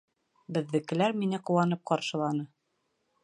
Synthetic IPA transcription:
bɘ̆ðːɘ̆kɘ̆læɾminɘquwɑnɤp̚qɑɾʃɤ̆lˠɑnɤ

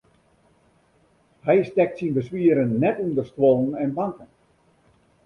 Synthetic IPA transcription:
hɛjstɛk̚tsinbəsʋiəɾənːɛtundərstwolˠənɛnbaŋkən

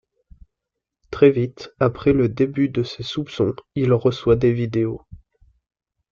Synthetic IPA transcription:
t̪χɛvit̪apχɛləd̪ebyd̪əsesupsɔ̃ilʁəswad̪evid̪eo

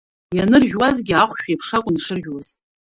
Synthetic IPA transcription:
janɨrʒᶣwazɡʲiaχʷʃᶣjapʰʂakʷʼʊnʂɨrʒᶣwaz̥

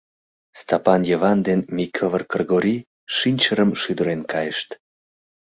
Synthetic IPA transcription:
st̪ɑpɑnjəvɑnd̪enmʲikʰovərkərɣoɾʲi | ʃinʲt͡ɕəɾəmʃyd̪əɾenkɑjəʃt̪

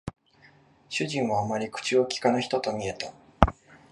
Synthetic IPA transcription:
ɕɨʑĩɰ̃βaːmaɾʲikɯ̟̥t͡ɕiokʲi̥kanoçi̥t̪o̞t̪o̞mʲie̞t̪a

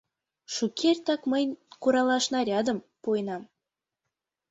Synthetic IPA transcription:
ʃukʲʰerʲt̪ɑkməjkuɾɑlɑʃnɑɾʲɑd̪ə̆m | pojnɑm

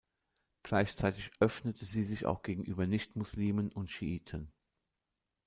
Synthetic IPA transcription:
ɡ̥laɪçt͡saɪtɪçʔœfnətʰəziːzɪça̰ʊxɡ̥eːɡŋ̩ʔyːbɐnɪçtmʊsliːmənʊntʃiʔiːtʰən

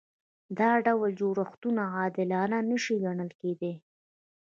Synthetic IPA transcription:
d̪ɑɖawəld͡ʒoɾaxt̪unaɑd̪ɪlɑnanəʃiɡaɳəlked̪e

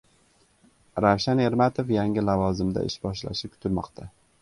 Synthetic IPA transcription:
ɾawʃane̞ɾmat̪ʰofjaŋɪlavɒzɪmd̪a̰ɪ̰ʃbɒʃla̰ʃɪkʲʰʊ̥t̪ʰɪlmɒqt̪ʰa

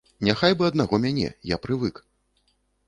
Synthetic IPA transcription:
nʲaxajbɨɐd̪naɣɔmʲanʲɛ̰japɾɨvɨk

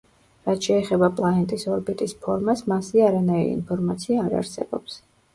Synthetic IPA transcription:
ɾat̪ʰʃɛːχɛbapʼlˠaɛnt̪ʼisɔɾbit̪ʼispʰɔɾmasmasiaɾanaiɾḭḭnpʰɔɾmat̪sʰiaːɾa̰ɾsɛ̰bɔ̰ps

